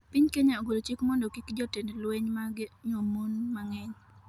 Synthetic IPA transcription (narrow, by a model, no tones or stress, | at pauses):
pɪɲkeɲaoɡolot͡ʃikmɔndokikd͡ʒɔtendlweɲmaɡɪɲomonmaŋɛɲ